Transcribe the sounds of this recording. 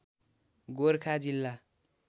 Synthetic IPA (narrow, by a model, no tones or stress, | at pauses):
ɡoɾkʰad͡zilːa